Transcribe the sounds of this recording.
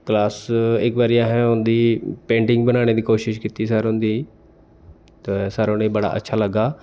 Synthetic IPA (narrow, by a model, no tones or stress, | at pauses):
klaːsɪkʋaːɾiaːɦẽʊ̃nd̪ipẽːɳʈɪ̃ŋɡbɐnaːɽ̃ed̪iːkoːʃɪʃkɪt̪is̬aːɾɦʊ̃nd̪i | t̪ɐsaːɾõñebɐɽa̰ʔɐ̰tːʃʰalɐɡaː